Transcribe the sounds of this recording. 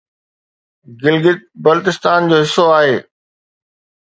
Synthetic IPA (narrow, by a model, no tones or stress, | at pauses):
ɡɪlɡɪt̪̚bɐlt̪ɪst̪aːnd͡ʑoːɦɪsːoaːɦeː